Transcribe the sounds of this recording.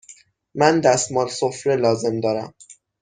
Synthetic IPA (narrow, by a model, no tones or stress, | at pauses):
mænd̪æst̪mɒːlsofɾelɒːze̞md̪ɒːɾæm